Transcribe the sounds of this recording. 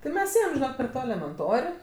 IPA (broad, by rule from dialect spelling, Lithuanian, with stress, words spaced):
tʲɪ ˈmʲɛs ˈeːjɛm pʲɛr ˈtoː ɛlʲɛmʲɛnˈtoːrʲ